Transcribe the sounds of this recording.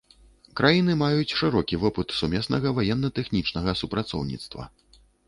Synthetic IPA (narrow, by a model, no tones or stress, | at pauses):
kɾajinɨmajut͡sʲʂɨɾɔkʲivɔpɨt̪sumʲɛsnɐɣɐvajɛnːɐt̪ɛxnʲit͡ʂnɐɣɐsupɾat̪sɔ̰wnʲḭt̪st̪vɐ̰